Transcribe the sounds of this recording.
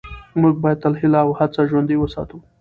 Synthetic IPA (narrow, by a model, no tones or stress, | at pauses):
muɡ̚bɑjad̪̚t̪alhɪlɑwhat͡saʒwand̪ijwəsɑ̰t̪u